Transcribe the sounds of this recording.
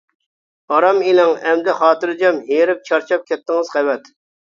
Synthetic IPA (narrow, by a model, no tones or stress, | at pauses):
ɑɾɑmilɪŋɛmd̪ɪχɑːt̪ɨɾɨd͡ʒɑmɦeɾɪp̚t͡ʃʰɑɾt͡ʃʰɑp̚kʲɛt̪ːɪŋɨz̥qɛwɛt̪